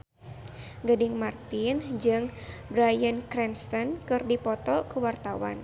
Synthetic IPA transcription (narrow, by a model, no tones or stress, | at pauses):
ɡədɪŋmart̪ɪnd͡ʒɨŋbɾajənkɾɛnst̪ɔnkɨrdipɔt̪ɔkuwart̪awa̰n